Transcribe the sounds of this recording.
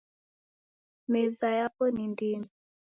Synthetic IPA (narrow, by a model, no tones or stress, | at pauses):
mɛzajapɔnindinɔ